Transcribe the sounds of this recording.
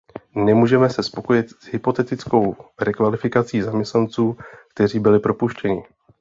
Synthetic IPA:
nɛmuːʒɛmɛsɛspo̞ko̞jɪt̪z̥ɦɪpo̞t̪ɛt̪ɪt͡sko̞wrɛkvalɪfɪkat͡siːzamɲɛst̪nant͡suːkt̪ɛr̝iːbɪlɪpɾo̞puʃcɛɲɪ

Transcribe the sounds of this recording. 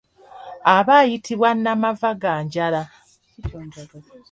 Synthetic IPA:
aβaːjitʰiβwanːamavaɡaːɲɟala

